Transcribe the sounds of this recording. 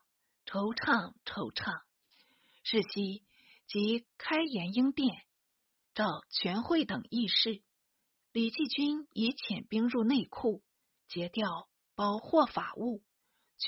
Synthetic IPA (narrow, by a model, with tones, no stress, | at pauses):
ʈ͡ʂʰo˧˥ʊʈ͡ʂʰɑ˥˩ŋʈ͡ʂʰo˧˥ʊʈ͡ʂʰɑ˥˩ŋ | ʂɻ̩˥˩ɕi˥ | t͡ɕi˧˥kʰa˥ɪjɛ˧˥ni˥ŋt̪jɛ˥˩n | ʈ͡ʂɑ˥˩ʊt͡ɕʰɥɛ˧˥nxwe˥˩ɪt̪ɤ˨˩ŋi˥˧ʂɻ̩˥˩ | li˨˩t͡ɕi˥˩t͡ɕy˥ni˧˥t͡ɕʰjɛ˨˩npi˥ŋɻu˥˧ne˥˧ɪkʰu˥˩ | t͡ɕjɛ˧˥t̪jɑ˥˩ʊ | pɑ˥ʊxwɔ˥˩fa˨˩ʔu˥˩ | t͡ɕ